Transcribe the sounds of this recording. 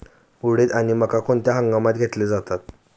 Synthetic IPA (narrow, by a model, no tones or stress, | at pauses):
uɽet̪aɽ̃iməkakoɳt̪jaɦaŋɡamat̪̚ɡʱet̪led͡zat̪at̪̚